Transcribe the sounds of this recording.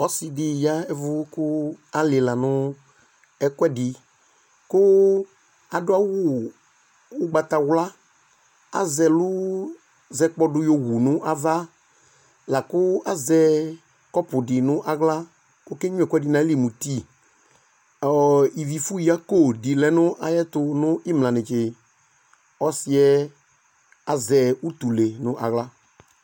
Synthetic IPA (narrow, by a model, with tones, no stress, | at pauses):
ɔ˦sɪ˨dɪ˨ja˦ɛ˦vʊ˦kʊ˦a˨lɪ˨la˨nʊ̃˦ | ɛ˨kɛ˦dɪ˨ | kʊ˦ | a˨dʊ˦a˦wʊ˦ | ʊ˦ɡ͡ba˨t̪a˨wla˦ | a̰˨zɛ˨lʊ˦ | zɛ˧k͡pɔ˦dʊ˧˦jo˦wu˨nʊ̃˦ʔa˦va˦ | la˨kʊ˦a˦zɛ˦ | kɔ˦pʊ˨dɪ˨nʊ̃˦ʔa˨ɣla˦ | o˦ke˦ɲʊ̃˦ɛ˨kɛ˦dɪ˧nã˨˦li˦˨mũ˨ti˦˨ | ɔ˨ɔ˨i˨vi˨fu˦ji˨a˦ko˦˨dɪ˨lɛ˨nʊ̃˦ʔa˨jɛ˦tʊ˧nʊ̃˦ʔɪ˦m˨lã˨nɪ̃˨t͡ʃɪ˨ | ɔ˦sɪ˨ɛ˦ | a˨zɛ˨u˦t̪u˨le˨nʊ̃˦ʔa̰˨ɣla˦